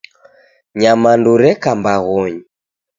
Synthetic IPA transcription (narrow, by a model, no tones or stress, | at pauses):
ɲamanduɾɛkambaɣɔɲi